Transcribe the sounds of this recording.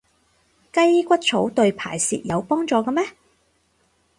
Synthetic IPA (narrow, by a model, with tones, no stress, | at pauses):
kɐ˥jkʷɐ˥t̚t͡sʰo˨˥wt̪ɵ˧ɥpʰa̰ː˨˩jsḭː˨t̚jɐ˨˧wpɔː˥ŋt͡sɔː˨˧kɐ˧mɛː˥